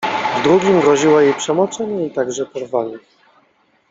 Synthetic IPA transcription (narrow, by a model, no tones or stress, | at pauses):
vd̪ɾuɡʲimɡɾɔʑiwɔjejpʂɛmɔt͡ʂɛɲɛit̪aɡʐɛpɔɾvaɲʲɛ